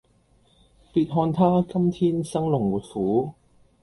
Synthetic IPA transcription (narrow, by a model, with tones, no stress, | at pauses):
piː˧t̚ɦɔː˧nt̪ʰaː˥kɐ˥mt̪ʰiː˥nsɐ˥ŋlʊ˨˩ŋwuː˨˩t̚fuː˨˥